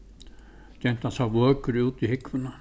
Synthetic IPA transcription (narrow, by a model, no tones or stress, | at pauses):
c̪ɛn̥t̪ansavœːkʏɾuːt̪ihɪkvʏna